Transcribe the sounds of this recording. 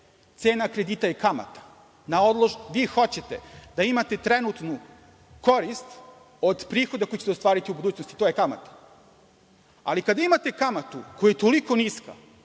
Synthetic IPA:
t̪se̞ːnakɾe̞d̪iːt̪aikama̰t̪ḁ | nao̞d̪lˠoʒʋiːxo̞t͡ɕe̞t̪ed̪aimat̪e̞t̪ɾenut̪nu | ko̞ɾist̪ | o̞d̪pɾiːxo̞d̪akojit͡ɕet̪eost̪ʋaːɾit̪iubud̪uːt͡ɕnost̪i̥t̪ojekama̰t̪ḁ | a̰likad̪aimat̪ekamat̪ukojajet̪o̞liko̞niska̰

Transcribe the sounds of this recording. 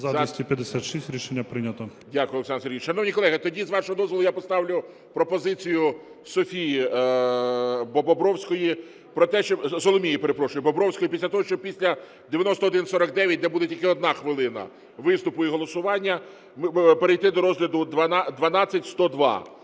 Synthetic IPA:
zɐɐsʲt̪ʲipʲjɐd̪ɪsʲat̪ʃisʲtʲɾʲiʃenʲːɐpɾɪnʲɐt̪ɔdʲakʊjɔlˠeksɑnseɾʲɣʲiʃɐnɔwnʲikɔlˠɛɦɪt̪ɔdʲizʋɑʃɔɦɔd̪ɔzʋɔlˠʊjapɔst̪ɑwlʲʊ | pɾɔpɔzɪt͡sʲijʊ | sɔfʲiji | bɔbɔbɾɔwsʲkɔji | pɾɔt̪ɛʃt͡ʃɔzɔlˠɔmʲijipeɾepɾɔʃʊjɪbɔbɾɔwsʲkɔjipʲisʲlʲɐt̪ɔɦɔʃt͡ʃɔpʲisʲlʲɐ | d̪ejɐnɔst̪ɔd̪ɪnsɔɾɐk̚d̪ɛʋʲjɐt̚ʲd̪ɛbud̪etʲilʲkɪɔd̪̚nɑxʋɪlˠɪnɐ̰ | ʋɪst̪ʊpʊiɦɔlˠɔsʊʋɑnʲːɐ | mpeɾejt̪ɪd̪ɔɾɔzɦlʲɐd̪ʊd̪ʋɐnd̪ʋɐnɑt͡sʲːɐtʲst̪ɔd̪ʋɑ̰

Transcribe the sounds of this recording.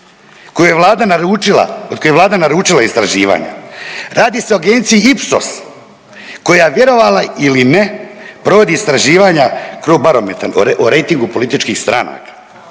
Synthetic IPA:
kojujeʋlaːd̪anaɾuːila̰od̪kojeʋlˠaːd̪anaɾuːt͡ʃilˠaist̪ɾaʒiːʋa̰ːɲa̰ɾaːd̪iseoaɡeːnt̪sijiipso̰s | ko̞jaʋje̞ɾo̞ʋaːlailine̞pɾo̞ʋo̞d̪iːst̪ɾaʒiːʋaːɲakɾobaɾo̞met̪anoɾejt̪iŋɡupo̞lit̪it͡ʃkiːxst̪ɾa̰na̰kḁ

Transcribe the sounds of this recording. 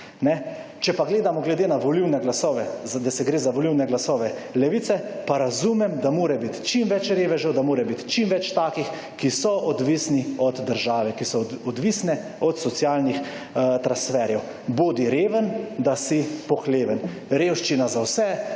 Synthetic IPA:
nɛ | t͡ʃɛpaɡleːd̪amɔɡlɛd̪eːnaʋɔliwnɛɡlasɔːʋɛd̪asɛɡɾeːzaʋɔliwnɛɡlasɔːʋɛlɛʋiːt̪sɛpaɾazumɛmd̪amoːɾɛbit̪t͡ʃimʋɛt͡ʃɾeːʋɛʒəwd̪amoːɾɛbit̪t͡ʃimʋɛt͡ʃt̪aːkix | kisɔʔɔd̪ʋisniɔd̪d̪əɾʒaːʋɛkisɔɔd̪ʋisnɛ | ɔt̪sɔt̪sjaːlnix | t̪ɾansfɛɾjɛw | boːd̪iɾeːʋənd̪asipɔxleːʋən | ɾeːwʃt͡ʃinazawsɛ

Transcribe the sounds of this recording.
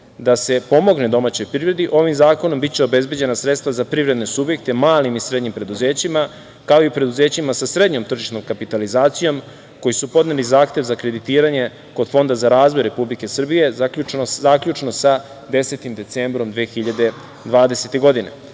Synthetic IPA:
d̪ase̞po̞mo̞ɡned̪o̞maːt͡ɕo̞jpɾivɾe̞d̪iʔo̞ʋimzaːko̞no̞mbit̪t͡ɕeo̞be̞zbe̞d͡ʑe̞nasɾe̞t̪st̪vazapɾivɾe̞d̪nesubje̞k̚t̪e̞maːlimisɾe̞d̪ɲimpɾe̞d̪uzeːt͡ɕima | kao̞ipɾe̞d̪uzeːt͡ɕimasasɾe̞d̪ɲo̞mt̪r̩ʒiʃno̞mkapit̪alizaːt̪sijo̞m | ko̞jisupo̞d̪nelizaːxt̪e̞ʋzakɾe̞d̪it̪iːɾaɲe̞ | ko̞d̪fo̞nd̪azaɾaːzʋo̞jɾe̞publike̞sr̩bije̞akʎut͡ʃnozaːkʎut͡ʃno̞sa | d̪e̞se̞t̪imd̪e̞t̪sembɾo̞md̪ʋeːxiʎad̪e̞ | d̪ʋaːd̪e̞se̞t̪e̞ɡo̞d̪ine

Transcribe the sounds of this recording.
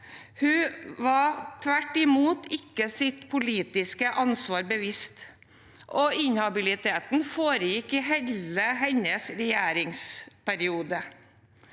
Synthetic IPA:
hʉʋɑt̪ʰʋæʈːɪmuːt̪ɪkːəsɪt̪pʰʊliːt̪ɪskəʔɑnsʋɑːɾbəʋɪst̪ | ʔɔɪnhɑbɪlɪt̪ʰeːt̪n̩foːɾəjɪkːɪɦɛləɦɛɲəsɾɛjæːɾɪŋspæɾɪuːd̪ə

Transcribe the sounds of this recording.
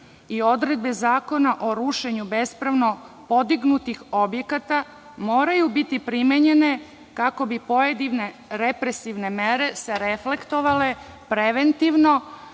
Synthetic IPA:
io̞d̪ɾed̪̚be̞zaːko̞naʔo̞ɾuʃe̞ɲube̞spɾaʋno̞ | po̞d̪iɡnut̪ixo̞bje̞kat̪a | mo̞ːɾajubit̪ipɾimeɲene̞ | kako̞bipo̞jed̪iʋne | ɾepɾesiʋnemeɾe̞seɾefle̞kt̪o̞ʋale̞ | pɾeʋent̪iʋno̞

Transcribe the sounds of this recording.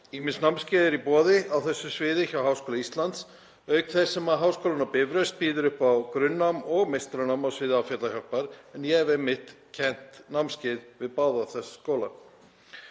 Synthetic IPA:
iːmɪnsnamscɪːðɪɾipɔːðɪawθɛsːʏsvɪːðɪçawɦaːwskoːlaist̪lant̪s | œɥkθɛsːɛmaɦaːwskowlʏnapɪvɾœɥst̪̚piːðʏɾʏhpawkɾʏnːamɔɣmejst̪ɾanamawsvɪːðɪawfjɛt̪laçɔhpaɾ̥ɛnjɛɛvɛmːɪht̪ | cʰɛn̥t̪namscɪðvɪðpaːwðaθɛsḁskoːwla

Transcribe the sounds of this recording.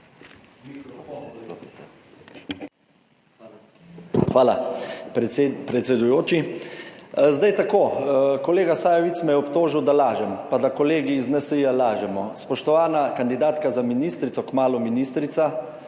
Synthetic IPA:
xʋaːla̰ | pɾɛt̪sʲɛd̪ujoːt͡ʃi | zd̪ajt̪akoːkɔleːɡasaːjɛʋit̪smɛjɛɔpt̪oːʒiwd̪alaːʒɛmpad̪akɔleːɡiːznɛsəjalaːʒɛmɔspɔʃt̪ɔʋaːnakand̪id̪aːt̪kazaminiːst̪ɾit̪sɔkmaːlɔminiːst̪ɾit̪sa

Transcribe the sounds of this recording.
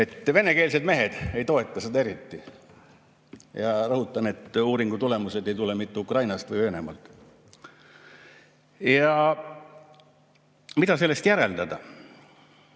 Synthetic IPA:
e̞t̪ːˑve̞ne̞ke̞ːlse̞d̪me̞ɦe̞d̪̥e̞jt̪o̞e̞t̪ˑːɑsed̪ɑe̞ɾit̪ːi | jɑrɤɦut̪ˑːɑne̞t̪ːˑuːɾiŋɡ̥ut̪ule̞muse̞d̪e̞jt̪ule̞mit̪ːeukrɑjnɑst̪vɯjøːne̞̰mɑ̰lt̪ˑ | jɑ | mid̪ɑse̞lːe̞st̪jæɾe̞ld̪ɑd̪̥ɑ

